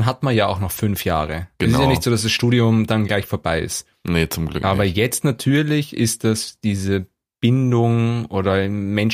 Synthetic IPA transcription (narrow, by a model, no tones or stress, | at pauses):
nɦatmanjaːaʊxnɔχfʏnfja̰ːʁəʔɡ̥əsɪsjaːnɪçtz̥oːdasd̥asʃtuːdiʊmdanɡlaɪçfoːɐbaɪɪ̰st | nət͡sʊmɡl̰kʔaːbɐjɛt͡stnatʰyːɐlɪçɪst̚d̥asd̥iːzə | b̥ɪndʊŋʔoːɾɐmɛn